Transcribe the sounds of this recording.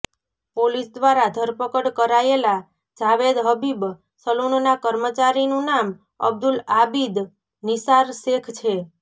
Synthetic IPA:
polisd̪ʋaɾad̪ʱəɾpəkəɽkəɾaela | d͡ʒaʋed̪ɦəbib | səlunonakəɾmət͡ʃaɾinũnam | ə̰b̚d̪ulabid̪ | nisaɾsekʰt͡ʃʰe

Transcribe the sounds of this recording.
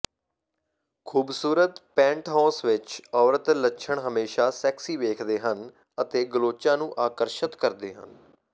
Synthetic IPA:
kʰuːbsuːɾət̪pɛ̃ːɳʈɦãːsʋɪt͡ʃɔːɾət̪lətːʃʰəɳɦəmeːʃaːsɛːksiːʋeːkʰd̪eːɦən | ət̪eːɡəloːt͡ʃãːnũːʔaːkəɾʃət̪kəɾd̪eːɦə̰n

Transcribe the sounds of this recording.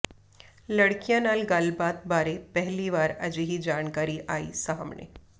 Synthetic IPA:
ləɽkijãnalɡaːlbat̪̚baːɾepɛɦliʋaːɾəd͡ʑiɦid͡ʒaːɳkaːɾiʔaːḭːsəɦə̰mɳḛ

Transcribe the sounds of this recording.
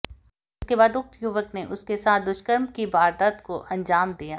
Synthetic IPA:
ɪskebaːd̪ʊk̚t̪jʊʋəkneʔʊskesaːt̪̚ʰd̪ʊʃkəɾmkibaːɾd̪at̪koʔɐ̃nd͡ʒaːmd̪ijaː

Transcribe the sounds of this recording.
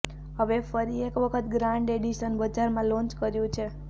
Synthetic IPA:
ɦəʋefəɾiekʋəkʰət̪ɡɾãɳɖeɽiʃənbəd͡ʒaɾmãlɔ̃nt͡ʃkəɾjũt͡ʃʰe

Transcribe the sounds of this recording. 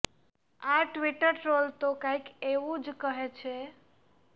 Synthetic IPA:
aʈʋiʈəɾʈɾolt̪okãjkeʋũd͡ʒkəɦet͡ʃʰe

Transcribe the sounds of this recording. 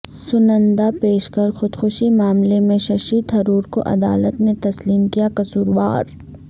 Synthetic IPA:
sʊnə̃nd̪apeːʃkɐɾxʊd̪xʊʃimaːmlemẽʃɐʃiːd̪ɦɐɾuːɾko̰ʔɐ̰d̪aːlət̪net̪ɐsliːmkijakɐsuːɾʋa̰ːɾ

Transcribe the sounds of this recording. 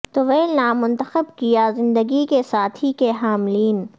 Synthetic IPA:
t̪oʋeːlnamʊ̃nt̪əxəbkijazɪ̃nd̪əɡikesaːt̪ʰikeɦaːmliːn

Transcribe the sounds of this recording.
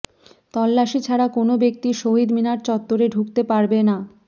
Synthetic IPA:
t̪ɔlːaʃit͡ɕʰaɾakonobek̚t̪iʃoɦid̪minaɾt͡ɕɔt̪ːoɾeɖʱukt̪epaɾbena

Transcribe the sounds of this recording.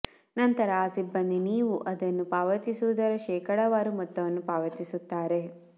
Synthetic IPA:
nɐnt̪ɐɾɐaːsibːɐnd̪iniːʋuʔɐd̪ɐnːupaːʋɐt̪isuud̪ɐɾɐʃɛːkɐɽɐʋaːɾumɔt̪ːɐʋɐnːupaːʋɐt̪isut̪ːaːɾe̞

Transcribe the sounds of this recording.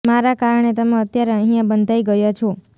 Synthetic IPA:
maɾakaɾəɳ̃et̪əmẽət̪jaɾeə̃ɦijãbənd̪ʱaiɡəjot͡ʃʰo

